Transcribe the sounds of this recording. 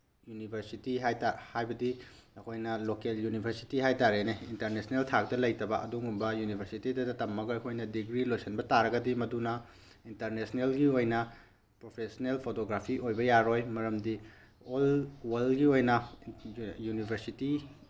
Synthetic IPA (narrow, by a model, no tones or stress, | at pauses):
junibʱeɾsitiɦajtahajbɐdiɐkʰojnɐlokeljunibʱɐɾsi̥tiɦajtaɾeneintɐɾnesneltʰak̚dɐlɐjtɐbɐʔɐ̰duŋumbɐjunibʱeɾsitidɐdɐtɐmːɐɡɐɐkʰojnɐdiɡɾilojsɐnbɐtaɾɐɡɐdimɐdunɐ | intɐɾnesnelɡiojnɐ | pɾopʰesnelpʰotoɡɾapʰiʔojbɐjaɾojmɐɾɐmdi | olwɐlɡiojnɐ | junibʱeɾsiti